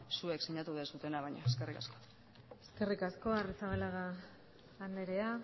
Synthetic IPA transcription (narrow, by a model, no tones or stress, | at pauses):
sue̞ksiɲat̪uðesut̪e̞naβajɲaeske̞rikasko | eske̞rikasko̞arit͡saβelaɣaː | nd̪eɾe̞a